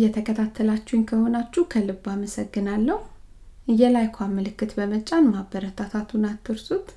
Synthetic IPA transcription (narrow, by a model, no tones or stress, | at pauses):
jɛt̪ʰəkʰət̪ʰat̪ʰːəlat͡ʃːuunkʰəhonat͡ʃːukʰəlɨbaməsəɡːɨnalːəhu | ɨjːɛlajkʷʰamːəlɨkːɨt̪bəmət͡ʃʼanmabəɾət̪ʰat̪ʰat̪ʰunat̪ʰːɨɾsut̪